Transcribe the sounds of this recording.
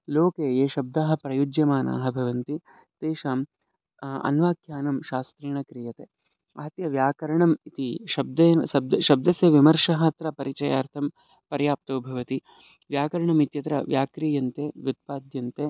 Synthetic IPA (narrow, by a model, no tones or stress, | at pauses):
loːkeːjeːʃɐb̚d̪aːɦɐ̆pɾɐjud͡ʒjɐmaːna̰ːɦɐbʱɐʋɐnt̪i | t̪eːʃaːm | ɐ̰nʋaːkʰjaːnɐmʃaːst̪ɾiːɳɐkɾijɐt̪eː | ɐɦɐt̪jɐʋjaːkɐɾɐɳɐmit̪iʃɐb̚d̪enʃɐb̚d̪ʃɐb̚d̪ɐsjɐʋimɐɾʂɐɦɐt̪ɾɐpɐɾit͡ʃɐjaːɾt̪ʰɐm | pɐɾjaːp̚t̪oːbʱɐʋɐt̪i | ʋjaːkɐɾɐɳɐmit̪jɐt̪ɾɐ̰ʋjaːkɾijɐnt̪eːʋjut̪̚paːd̪jɐnt̪eː